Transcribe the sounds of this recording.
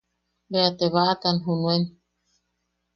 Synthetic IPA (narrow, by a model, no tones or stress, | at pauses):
beat̪eβaʔat̪anɦunũen